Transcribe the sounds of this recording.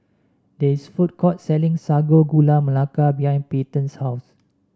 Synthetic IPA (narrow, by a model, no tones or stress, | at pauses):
dɛisfut̚kɔt̚sɛlĩŋsaɡoɡulaməlakabiɦãjnpetə̃nshaws